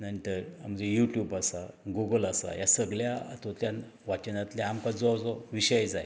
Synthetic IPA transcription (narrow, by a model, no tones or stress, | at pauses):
nanit̪əɾa̰m̤d͡zejuʈjubasaɡuɡəlasa̰jasəɡɭjaa̰t̪ʰot̪jan | ʋat͡ɕənat̪lɛamkad͡zɔd͡zɔʋiɕəjd͡zaj